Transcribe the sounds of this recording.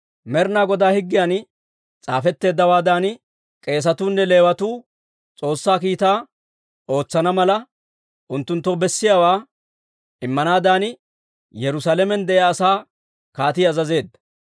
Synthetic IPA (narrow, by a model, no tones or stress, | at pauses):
mɛɾnaːɡɔd̪aːhɪɡːɪjaːn | t͡sʼaːfɛt̪ːe̞ːd̪ːɐwaːd̪aːn | kʼe̞ːs̬ɐt̪uːnːɛle̞ːwɐt̪uː | t͡sʼo̞ːsːaːk̬iːt̪aː | o̞ːt͡sːɐnɐmɐlɐ | ʔʊnt̪ːʊnt̪ːɔbɛsːɪjaːwaː | ʔɪmːɐnaːd̪aːnɪ | jɛɾʊsaːlɛmɛnd̪ɛʔjaːsaː | kaːt̪ɪɐzɐze̞ːd̪ːɐ̥